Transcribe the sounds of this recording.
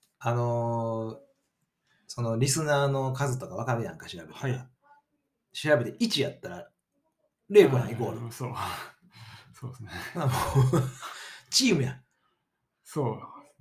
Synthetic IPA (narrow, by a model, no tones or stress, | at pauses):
ano̞ | so̞no̞ɾʲisɨnaːno̞kazɨt̪okaβ̞akaɾɯ̟jã̰ŋkaɕiɾabe̞t̪e | ɕiɾabe̞t̪eʔit͡ɕijat̪ːaɾa | ɾe̞ːkoɾãiko̞ːɾɯso | soːsamo | t͡ɕiːmɯ̟jã | so